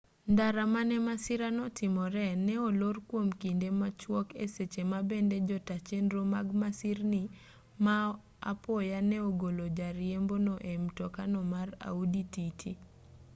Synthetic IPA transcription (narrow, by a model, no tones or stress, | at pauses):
ndaɾamanɛmasɪɾanɔtʰɪmɔɾɛnɛolorkwomkindemat͡ʃwɔkḛset͡ʃemabended͡ʒɔtat͡ʃenɾomaɡmasirnɪ | ma | a̰pɔjanɛoɡolod͡ʒaɾjembonɔʔemtɔkanɔmara̰udititʰi